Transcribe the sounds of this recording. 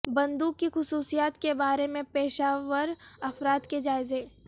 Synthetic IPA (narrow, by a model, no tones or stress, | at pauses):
bɐ̃nd̪uːkːixʊsuːsijaːt̪kebaːɾemẽpeːʃaːʋəɾɐfɾaːt̪ked͡ʒaːɪzeː